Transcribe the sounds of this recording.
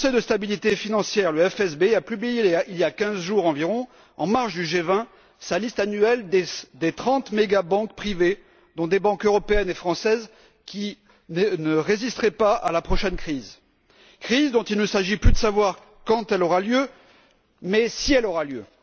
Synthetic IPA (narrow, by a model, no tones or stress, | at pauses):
kɔ̃sɛjd̪əst̪abilit̪efinɑ̃sjɛʁləɛfɛsbeapyblijelailjakʲɛ̃zʒuʁɑ̃viʁɔ̃ | ɑ̰̃maʁʃd̪yʒevɛ̃ | salist̪anyɛld̪ed̪et̪χɑ̃t̪meɡabɑ̃k̚pχive | d̪ɔ̃d̪ebɑ̃køʁɔpeɛnefχɑ̃sɛz | kʲi | nənəʁezist̪χɛpaa̰lapχɔʃɛnkχiz | kχizd̪ɔ̃t̪ilnəsaʒiplyd̪əsavwaʁ | kɑ̃t̪ɛlɔʁaljø | mɛsiɛlɔʁaljø